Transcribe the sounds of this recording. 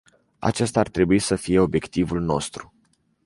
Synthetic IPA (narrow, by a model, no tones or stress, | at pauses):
a̰t͡ʃe̞st̪aart̪ɾe̞buisəfije̞o̞bje̞kt̪ivulno̞̰st̪ɾu